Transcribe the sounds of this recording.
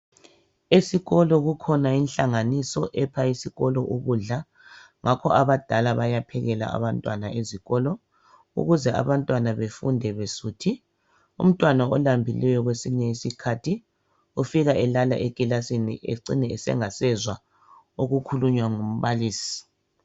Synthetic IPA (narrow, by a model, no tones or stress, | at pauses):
esiɣɔlɔɣukʰɔnainɬaŋanisɔʔɛpʰaisiɣɔlɔʔuɣuɮa | ŋʔakʰɔaβad̥ʱalaβajapʰɛɣɛla̰a̰βantʼwa̰naeziɣɔlɔ | ṵɣuzɛa̰βantʼwanaβefundʱɛβesutʰi | ṵm̩tʼwanaɔlambʱilɛjɔɣwesiɲɛisikʰatʰi | ufiɣaɛlala̰ʔekʼilasinḭʔḛǀḭnɛɛsɛ̰ŋasɛzwa | oɣukʰuluɲwaŋum̩βaliːsi̥